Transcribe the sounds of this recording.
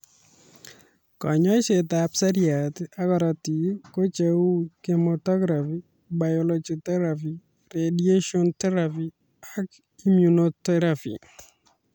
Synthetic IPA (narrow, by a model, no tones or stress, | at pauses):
kɔ̰ɲɔsetapsaɾiat̪akɔɾat̪ikot͡ʃeukemɔt̪ɔɡɾafi | bajɔlod͡ʒit̪ɛɾafi | redieʃɔnt̪ɛɾafi | ak | imjunot̪ɛɾafḭ